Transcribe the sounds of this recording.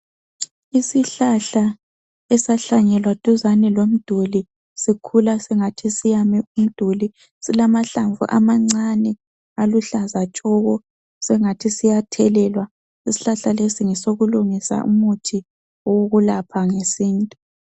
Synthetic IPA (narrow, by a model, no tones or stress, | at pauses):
isiɬaɬa | ɛsaɬaɲɛlwad̥ʱuzanɛlwom̩d̥ʱuli | sikʰulasɛŋatʰisijamium̩d̥ʱuli | silamaɬaɱvṵʔa̰maŋ͡ǀanɛ | aluɬazat͡ʃʼɔɣɔ | sɛŋatʰisijatʰɛlɛlwa | isi̥ɬaɬalesiŋɛsoɣuluŋisa̰ʔṵmutʰi | ɔwoɣulapʰaŋesiːntʼu